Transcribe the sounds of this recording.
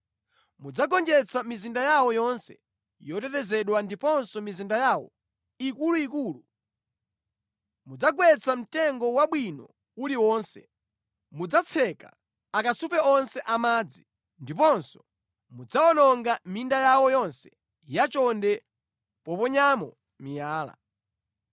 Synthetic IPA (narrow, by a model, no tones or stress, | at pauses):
mud͡zaɡɔnd͡ʒɛt͡sʰamizindajawɔjɔnsɛ̰ | jɔtɛtɛzɛɗwandipɔnsɔmizindajaːwɔ̰ | ikuluikuːlu | mud͡zaɡwɛt͡sʰam̩tɛŋɡɔwaɓwinɔ̰ | uliwɔːnsɛ̰ | mud͡zat͡sʰɛka̰ | akasupɛɔnsɛʔamaːd͡zi | ndipɔnsɔ̥ | mud͡zaɔnɔŋɡamindajawɔjɔnsɛ | jat͡ʃɔndɛ | pɔpɔɲamɔ | mijaːla̰